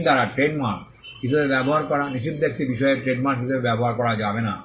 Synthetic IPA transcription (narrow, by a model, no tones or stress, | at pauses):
d̪aɾaʈɾeɖmaɾʈ | kit̪ʰubebɛboɦaɾkɔɾaniʃib̚d̪ek̚t̪ibiʃɔeɾʈɾeɖmaɾʈk̬it̪ʰubebɛboɦaɾkɔɾad͡ʑabena̰